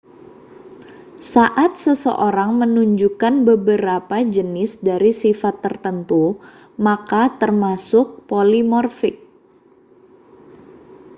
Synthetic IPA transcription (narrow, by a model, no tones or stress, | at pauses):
saʔat̪̚səsə̰ʔoɾaŋmənuɲd͡ʒukanbəbəɾapad͡ʒənɪsdaɾisifat̪ːərt̪ənt̪u | makat̪ərmasʊk̚polimɔrfɪk̚